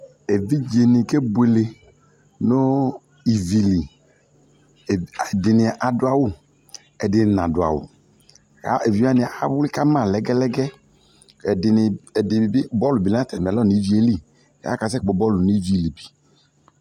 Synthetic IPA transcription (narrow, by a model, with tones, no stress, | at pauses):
e˨vi˦d͡ʒe˨nɪ˨ke˦bu˨e˨le˨ | no˦ | i˨vi˨li˨ | dɪ˨nɪ˨ʔa˨dʊ˦a˨wʊ˦˨ | ɛ˨dɪ˨nã̰˨dʊ˨a̰˨wʊ̰˨ | a̰˦e˨vi˨˦a˦nɪ˨a˦wʊ˦li˦ka˦mã˨lɛ˨˦ɡɛ˦lɛ˦ɡɛ˦˨ | dɪ˨n˨ɪ˨i˨bi˦bɔ˦lu˨bi˨la˦tɛ˨m˨ɛ˨lɔ˦˨ni˨˦vi˨˦e˦lḭ˦˨˦ | a̰˦ka˨s̬ɛ˦˨k͡pɔ˨bɔ˦lu˨ni˦d͡ʒu˦i˨li˨bi̥˨